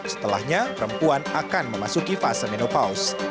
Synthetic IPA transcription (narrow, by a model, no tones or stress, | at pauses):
sə̥t̪əla̰hɲapəɾəmpuanakanməmasukifasəmenopaʊs